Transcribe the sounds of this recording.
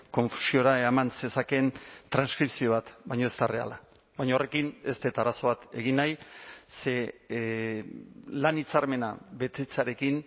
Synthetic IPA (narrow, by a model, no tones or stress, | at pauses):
ko̞ɱfu̥sio̞ɾamansesake̞nt̪ɾanskɾipsio̞βat̪βajɲo̞e̞st̪are̞a̰la | βajɲore̞kine̞st̪et̪aɾaso̞βat̪e̞ɣinajse̞ | lanit͡saɾme̞naβe̞t̪et͡saɾe̞kin